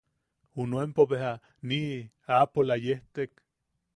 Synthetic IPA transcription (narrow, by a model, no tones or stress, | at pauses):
unoempoβeɦa | ni | apolajeht̪ek